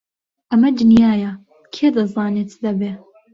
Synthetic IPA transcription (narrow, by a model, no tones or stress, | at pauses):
ʔɐmɐd̪ɨnjaːjɐ | kʰeːd̪ɐzɑːnet̪d̪ɐbeː